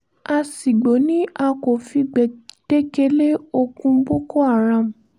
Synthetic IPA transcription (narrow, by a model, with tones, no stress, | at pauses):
a˧si˨ɡ͡bo˨˦nĩ˦a˧ko˨fi˧ɡ͡bɛ˨d̥e˦ke˦le˦o˧kũ˧˦bo˦ko˦a˦˨ɾã˧˨m̩̃˨